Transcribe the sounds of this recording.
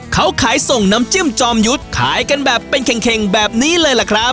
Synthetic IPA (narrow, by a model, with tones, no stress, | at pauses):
kʰa˦˥wkʰaː˩˦jso˨˩ŋna˦˥mt͡ɕɯ˥˩mt͡ɕɔː˧mju˦˥t̪̚kʰa̰ː˩˦jka˧nbɛː˨˩pːe˧nkʰɛ˨˩ŋkʰe˨˩ŋbɛː˨˩p̚niː˦˥lɤː˧jla˨˩kʰɾa˦˥p̚